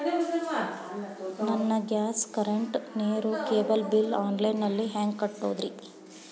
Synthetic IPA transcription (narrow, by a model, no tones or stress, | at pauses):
nɐnːɐɡaːskɐɾeɳʈneːɾukeːbɐlbilaːnlɐjnːɐlːiɦaːŋɡkɐʈːoːd̪ɾi